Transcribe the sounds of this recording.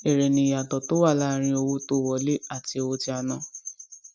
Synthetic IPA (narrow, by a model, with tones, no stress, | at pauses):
e˨ɾe˨nĩ˧˨ja˨tɔ˨to˦wa˦˨la˦˨ɾ̃ĩ˧o˧wo˧to˦˨wɔ˨˦le˦a˦˨ti˧o˧wo˧ti˧˦a˧nã˦